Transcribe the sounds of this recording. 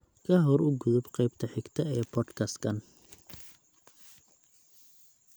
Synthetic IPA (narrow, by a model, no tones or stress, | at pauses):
kʰɐɦɔɾʊɡʊðʊbqɛjb̚t̪ʰɐħɪɡt̪ʰɐɛːpʰɔd̪kʰɐskʰɐn